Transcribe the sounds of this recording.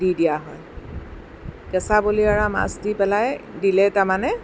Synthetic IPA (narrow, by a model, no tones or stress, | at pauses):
didijaɦɔj | kɛsaboliaɹama̰sdipɛlajdilɛtamanɛ